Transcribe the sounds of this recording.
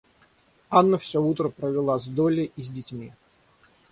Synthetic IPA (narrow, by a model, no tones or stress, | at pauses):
anːəfsʲout̪ɾəpɾəvʲɪlˠazd̪olʲɪʔizʲdʲɪtʲmʲi